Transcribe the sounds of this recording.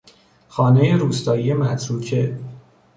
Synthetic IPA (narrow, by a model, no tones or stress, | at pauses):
xɒːnejeɾuːst̪ɒːjijemæt̪ʰɾuːcʰe